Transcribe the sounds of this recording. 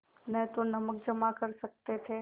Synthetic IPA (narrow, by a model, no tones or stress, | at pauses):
nət̪onəmək̚d͡ʒəmakəɾʃək̚t̪et̪ʰe